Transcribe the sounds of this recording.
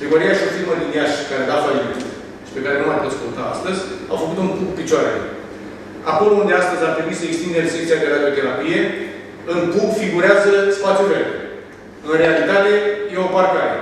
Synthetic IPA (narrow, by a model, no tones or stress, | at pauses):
bɾiɡoɾiaʃunfilmoliniaʃkaɾed̪afalimet̪ | ʃi̥pe̞kaɾe̞numap̪ot̪skont̪aa̰st̪əzʲa̰wfəkut̪uŋkukpit͡ʃoaɾḛ | a̰ko̞lound̪east̪əzʲap̪ɾimit̪səekst̪ind̪eɾesekt̪siak̪eɾad̪io̞t̪e̞ɾapije̞ | ɨŋkubfiɡuɾeazəspat̪ʲuɾe | ɨnrealit̪at̪e̞jeoparkaɾḛ